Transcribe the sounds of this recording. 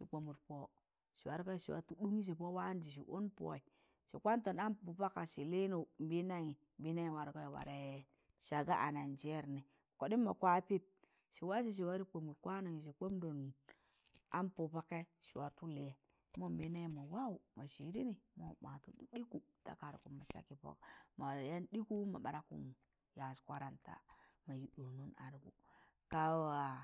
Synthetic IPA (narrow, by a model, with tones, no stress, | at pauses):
ʃi˨k͡po˨mu˨ɾpo˨ | ʃi˨wa˨ɾka˦˨ʃi˨wa̰˨tu˦du˦ŋi˦s̬i˨po˦wa˦n˦d͡ʒi˨ʃ̬ḭ˨ʔo˦npo̰˨i˨ | ʃḭ˨kʷa˦nto˨na˦mpu˨pa˦ka˨ʃi˨le˦nu˨m̩˨bi˦na˦ŋi˨ | m˨bi˦na˦ŋi˨wa˨ɾka˦˨wa̰˨ɾe˨˦ | ʃa˨ɡa˦ʔa̰˨na˨nd͡ʒe˦ɾni˨ | ko˨di˦mːa˨kʷa˦pi˦p̚ | ʃi˨wa˦s̬i˨ʃ̬i˨wa˦ɾi˦k͡po˨mu˨ɾkʷa˦na˨ŋi˨ʃ̬i˨k͡po˦mdo˨n | a̰˦npo˨pa˦ka˦ʃi˨wa˨tu˦le˨ | mo˦bi˦ne˦ma˨wa˦u˨ma˨ʃi˨ɾi˦ni˨mo˦ma˨tṵ˦ɗi˦ku˨ | ta̰˨ka˨ɾku˨mma˨ʃa̰˦ki˦po̰˦kma˨ja˦ndi˦ku˦ma̰˨ɓa˨ɾa˦kṵ˦˨n | ja˨skʷa˦ɾa˨nta̰˨ma˨ju˨ɗu˨nu˦na˨ɾɡṵ˨ | ka˦wa˨